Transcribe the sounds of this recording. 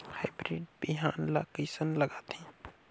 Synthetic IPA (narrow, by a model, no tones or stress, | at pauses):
haːɪbɾiːɖbiɦaːnla̰ːkiːsənləɡaːt̪ɛ̃